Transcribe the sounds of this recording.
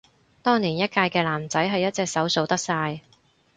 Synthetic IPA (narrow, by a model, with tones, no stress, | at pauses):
t̪ɔː˥ŋliː˨˩njɐ˥t̚kaː˧jkɛː˧laː˨˩mt͡sɐ˨˥jɦɐ˨jːɐ˥t̚t͡sɛː˧ksɐ˨˥wso˨˧wt̪ɐ˥k̚saː˧j